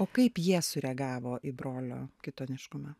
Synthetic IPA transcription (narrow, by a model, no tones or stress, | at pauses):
oːkɐɪpjiɛsʊɾʲɛɡɑːʋoːʔibɾoːlʲo̰ːkʲɪt̪oːnʲɪʃkʊmɐ